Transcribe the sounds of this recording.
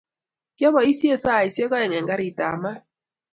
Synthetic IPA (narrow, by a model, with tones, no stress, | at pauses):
kjɔ˦βɔ˨i˦sje˦sa˦˨i˨sje˦kɔ˦ɛ˨ŋɛ˨ŋɡa˦ɾi˨ta̰˨ma˦